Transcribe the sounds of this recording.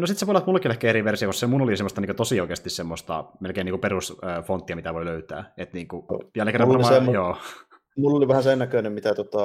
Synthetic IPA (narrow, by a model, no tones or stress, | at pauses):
nosit̪seʋolɑt̪mulːekilehkæeɾiʋersiɑkossemunolisemːost̪ɑniːkøt̪osioikeːst̪issemːost̪ɑ̰melkeːniːŋkuperusøːfont̪ːiɑmit̪æʋoiløyt̪æ̰ːet̪niːŋkujælkeræmɑejoː | mulːoliʋæhæsennækøˑnemmit̪æt̪ot̪ɑ